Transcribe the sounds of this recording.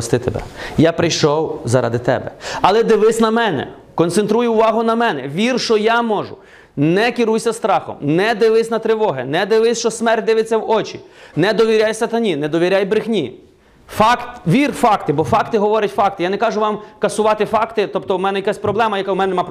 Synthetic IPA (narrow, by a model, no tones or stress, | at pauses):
ɔst̪ɪt̪ebɛ̰japɾɪjʃɔwzɐɾɑ̰d̪ɪt̪ɛ̰bɛ̰ɐlˠɛd̪ɪʋɪsʲnɐmɛnɛ̰ | kɔnt̪sent̪ɾujʊʊʋɑɦʊnɐmɛnɛʋʲirʃɔjamɔʒʊ̰ | nɛkʲɪɾujsʲɐst̪ɾɑxɔ̰mnɛd̪ɪʋɪsʲnɐt̪ɾɪʋɔɦɪnɛd̪ɪʋɪsʲt͡ʃɔsmɛrt̚ʲd̪ɪʋɪt͡sʲːɐwɔt͡ʃinɛd̪ɔʋʲiɾʲajsɐt̪ɐnʲinɛd̪ɔʋʲiɾʲajbɾɪxnʲi | fɑkt̪ʲʋʲirfɑkt̪ɪbɔfɑkt̪ɪɦɔʋɔɾʲɐtʲfɑk̚t̪ɪjanɛkɑʒʊʋɑmkɐsʊʋɑt̪ɪfɑkt̪ɪt̪ɔbt̪ɔmɛnɛjɐkasʲpɾɔblˠɛmɐjɐkawmɛnɛnɛmp